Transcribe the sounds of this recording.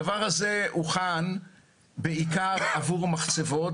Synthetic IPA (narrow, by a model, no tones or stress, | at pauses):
avaʁhazeʔuχan | beikaʁavuʁmaχt͡sevo̞t